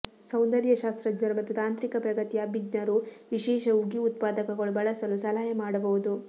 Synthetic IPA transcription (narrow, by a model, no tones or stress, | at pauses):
sɐwnd̪ɐɾjɐʃaːst̪ɾɐd͡ʒnɐɾumɐt̪ːut̪aːnt̪ɾikɐpɾɐɡɐt̪ijabid͡ʒnɐɾuʋiʃɛːʃɐuɡiut̪̚paːd̪ɐkɐɡɐɭubɐɭɐsɐlusɐlaːjɐmaːɽɐbɐʋud̪u